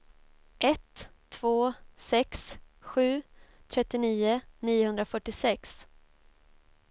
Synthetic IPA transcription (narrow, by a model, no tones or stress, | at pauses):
ʔɛt̪ʰː | voːsɛks | ɧʉ̟ːt̪ʰɾɛt̪ːɪniːʊniːʊhɵnd̪ɾafœʈːɪsɛks